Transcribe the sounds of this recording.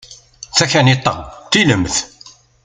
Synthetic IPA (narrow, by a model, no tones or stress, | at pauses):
θæçænit̪ˤːɑ̰t̪ːiləmθ